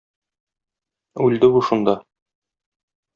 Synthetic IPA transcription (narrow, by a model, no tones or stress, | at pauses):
ʉld̪ɘbuʃund̪ɑ